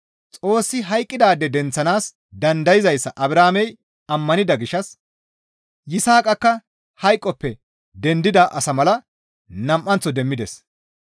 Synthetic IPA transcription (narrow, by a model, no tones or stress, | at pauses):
t͡sʼo̞ːsːɪɦɐjkʼːɪd̪aːd̪ːɛd̪ɛnt͡sːɐnaːs | d̪ɐnd̪ɐjɪzɐjsːɐʔɐbɾaːmɛj | ɐmːɐnɪd̪ɐɡɪʃɐs | jɪsaːkʼɐkːɐ | hɐjkʼːɔpːɛ | d̪ɛnd̪ɪd̪ɐʔɐsɐmɐlɐ | nɐmʔːɐnt͡sːɔd̪ɛmːɪd̪ɛs